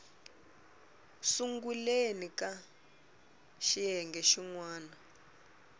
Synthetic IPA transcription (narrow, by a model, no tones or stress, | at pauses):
suŋɡulenika | ʃiɦɛŋɡɛʃiŋwaːna